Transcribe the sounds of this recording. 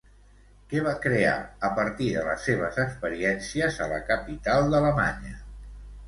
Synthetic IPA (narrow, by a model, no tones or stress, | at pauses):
kɛβ̞akɾea̰əpəɾt̪iðələsːeβ̞əzəkspəɾiɛnsiəzələ̰kəpit̪alˠd̪ələma̰ɲə